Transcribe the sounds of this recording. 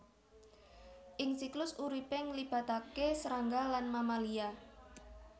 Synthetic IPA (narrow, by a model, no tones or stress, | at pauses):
ʔɪŋsiklʊsuɾipɪŋlib̥a̤t̪akesəɾaŋɡalanmamalia